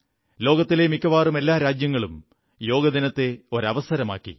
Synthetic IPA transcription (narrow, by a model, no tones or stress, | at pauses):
lo̞ːɡɐt̪ːilemikːɐʋaːrume̞lːaːɾaːd͡ʑjɐŋːɐɭum | jo̞ːɡɐd̪inɐt̪ːe̞o̞ɾɐʋɐsɐɾɐma̰ːkːḭ